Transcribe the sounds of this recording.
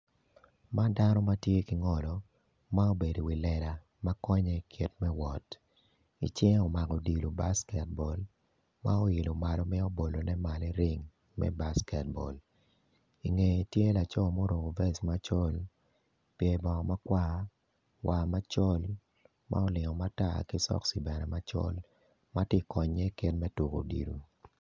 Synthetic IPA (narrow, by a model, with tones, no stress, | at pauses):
ma˦da˦nɔ˦ma˦tje˦ki˨ŋɔ˨lɔ˨ | ma˦o˦be˨do˨wi˨lɛ˨la˨ | ma˦kɔ˦ɲɛ˦kʰi˨tmɛ˦wɔ˨t | ḭ˨t͡ʃɛ˦ŋɔ˨ma˨ɡɔ˨di˨lo˨ba˦skɛ˨t̚bɔ˨l | ma˦o˦i˨lo˨ma˨lɔ˨mɛ˦o˦bo˨lo˨nɛ˦ma˨lɛ˦ɾɪ˦ŋ | mɛ̰˦ba˦skɛ˨t̚bɔ̰˨l | i˨ŋe˨tje˦la˨t͡ʃɔ˦mo˦ɾo˨ɡo˨vɛ˦sma˦t͡ʃɔ˦l | pje˨bɔ˨ma˦kwa˦ | wʔa˨ma˦t͡ʃɔ˦l | mʔa̰˦ɔ˦lɪ˨ŋɔ˨ma˦ta̰˦˨ki˦sɔ̰˦ksi˨bɛ˨nɛ˨ma˦t͡ʃɔ̰˦l | ma˦tje˦kɔ˨ɲɛ˦kɪ˦tmɛ˦tu˨ko̰˨dḭ˨lu˨